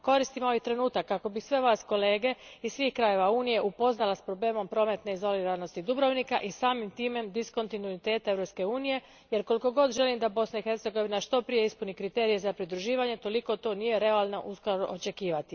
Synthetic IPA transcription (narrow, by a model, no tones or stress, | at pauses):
ko̞ɾist̪imoit̪ɾe̞nuːt̪akːako̞bisʋe̞ʋaːsko̞le̞ːɡe̞issʋiːxkɾaje̞ʋauːnije̞ʔupo̞znalaspɾo̞ble̞ːmo̞mpɾo̞ːme̞t̪ne̞izo̞liɾano̞st̪id̪ubɾoʋnikaʔisaːmimt̪iːme̞md̪isko̞nt̪inuit̪e̞ːt̪ae̞ʋɾo̞pske̞uːnije̞ | je̞ɾko̞liko̞ɡo̞d̪ʒe̞limd̪abo̞snaixe̞ɾt̪se̞ɡo̞ʋinaʃt̪o̞pɾije̞ispunikɾit̪e̞ːɾije̞zapɾid̪ɾuʒiːʋaɲe̞t̪o̞liko̞t̪o̞nije̞ɾe̞alˠno̞̰ʔuskoɾoʔot͡ʃe̞kiːʋat̪i